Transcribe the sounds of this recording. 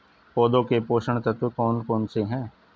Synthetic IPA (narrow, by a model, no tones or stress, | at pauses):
pɔːd̪õkepoːʃəɳ̃t̪ət̪ʰwekɔːnkɔːnseɦɛ̃ː